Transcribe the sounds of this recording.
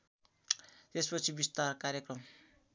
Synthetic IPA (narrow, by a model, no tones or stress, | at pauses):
t̪espʌt͡sʰibist̪arkaɾjʌkrʌm